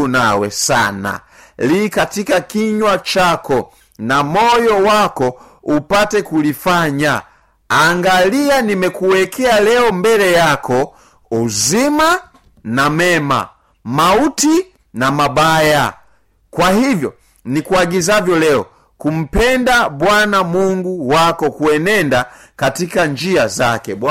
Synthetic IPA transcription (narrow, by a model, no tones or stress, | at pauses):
nawɛ̰sa̰na̰ | likatikakiɲwat͡ʃakɔ | namɔjɔwakɔ | upatɛkulifaɲa | aŋɡalianimɛkuwɛkɛalɛɔmbɛlɛjakʰɔ | uzima | namɛma̰ | mauti | namabaja̰ | kwahivjɔ | nikuaɡizavjɔlɛɔ | kum̩pɛndabwanamuŋɡuwakɔkuɛnɛnda | katikaɲd͡ʒiazakɛbwa